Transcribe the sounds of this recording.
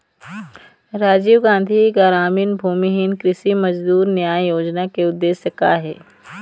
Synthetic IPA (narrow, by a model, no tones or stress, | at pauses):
ɾaːd͡ʒiːʋɡãːn̆d̪ʱiɡaɾaːminbʱuːmiɦɪnkɾɪsimɐd͡ʒd̪uːɾnjaːjjoːd͡ʒnakeʊd̪ːeːsjəka̰ɦḛː